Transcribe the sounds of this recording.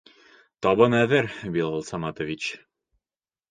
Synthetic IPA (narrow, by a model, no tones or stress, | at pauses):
t̪ɒβɤnæðɘɾbilˠɑlˠsɑmɑt̪ŏvʲit͡ɕ